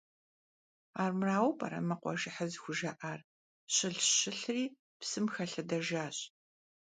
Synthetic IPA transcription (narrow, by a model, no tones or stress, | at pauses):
aːrmraːwpʰa̰ɾɐ̰mɐqʷɔ̰ʒɪħɐzxʷʊʒɐʔaːr | ɕɪɬɕɪɬriː | psɨmxɐɬɐdɐʒaːɕ